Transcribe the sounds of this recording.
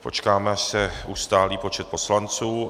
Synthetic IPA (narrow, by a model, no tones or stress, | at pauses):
po̞̰t͡ʃkaːmɛaʃsɛuːst̪aːliːpo̞t͡ʃɛt̪̚po̞slant͡suː